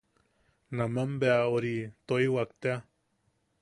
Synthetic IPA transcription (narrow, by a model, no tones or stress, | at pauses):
nãmambeaoɾit̪oiwakt̪ea